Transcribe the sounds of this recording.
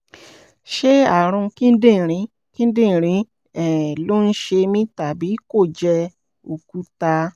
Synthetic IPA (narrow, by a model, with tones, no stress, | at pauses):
ʃe˦a˨ɾ̃ũ˧ki˦n̩˦dĩ˦˨ɾĩ˨˦ | ki˦n̩˦dĩ˦˨ɾ̃ĩ˨˦ | ɛ˨lo˦n̩˦ʃe˧mĩ˦ta˨bi˨˦ko˦˨d͡ʒɛ˧ | o˨ku˦ta˧